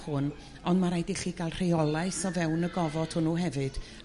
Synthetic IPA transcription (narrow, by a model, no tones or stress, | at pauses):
hʊn | ɔndmaɾajdiɬiːɡalˠr̥ejɔlˠaɨsɔvɛwnəɡɔvɔd̥hʊnuɦɛvɨd̥